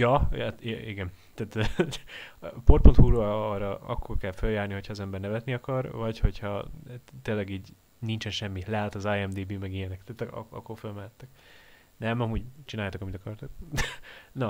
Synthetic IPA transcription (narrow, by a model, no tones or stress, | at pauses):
jɒt̪iɡɛnt̪aːt̪ː | port̪̚po̞nt̪huːɾorɒɒ̰kːo̞rkɛlføljaːrniho̞cʰhɒːzɛmbɛrnɛvɛt̪niɒkɒrvɒcho̞chɒt̪eːlɛɡiːɟ | nint͡ʃɛnʃɛmːilɛɦat̪ɒzaːjɛmd̪eːbiːmɛɡijɛnɛkt̪aːt̪ɒ̰ɒ̰kːorfølmɛlɛt̪ːɛk | nɛmɒmuːɟt͡ʃinaːjaːt̪okɒmit̪ɒkɒrt̪ok̚ | nɒ